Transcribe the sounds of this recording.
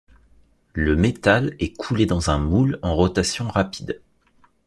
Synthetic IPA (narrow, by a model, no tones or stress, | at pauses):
ləmet̪alɛkʰuled̪ɑ̃zɛ̃mulɑ̃ʁɔt̪asjɔ̃ʁapid̪